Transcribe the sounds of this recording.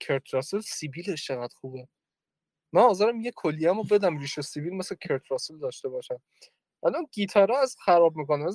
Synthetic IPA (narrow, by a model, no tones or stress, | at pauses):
kʰeɾt̪ʰɾɒːselsibiːleʃt͡ʃʰeɣæd̪̥xuːbe | mænɒːzeɾæmjekʰolːijæmobed̪æmɾiːʃesibilmeslekʰeɾt̪ʰɾɒːseld̪ɒːʃt̪e̞bɒːʃæm | ʔælɒnɡiːt̪ʰɒːɾɒæzxæɾɒːb̚mikonæmæz